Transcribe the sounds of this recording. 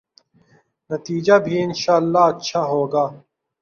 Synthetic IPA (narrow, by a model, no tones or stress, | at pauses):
nɐt̪iːd͡ʒaːbʱiːɪnʃaːəlːaːɐtːʃʰaːɦoːɡaː